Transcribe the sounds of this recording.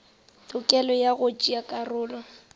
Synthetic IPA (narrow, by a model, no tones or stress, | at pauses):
tʼʊkʼɛlɔjaɣʊt͡ʃʼiakʼarʊːlɔ